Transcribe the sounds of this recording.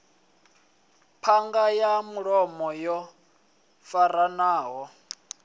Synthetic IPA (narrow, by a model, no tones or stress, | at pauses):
pʰaŋɡajamuɺɔmɔjɔ | faɾanaːɦɔ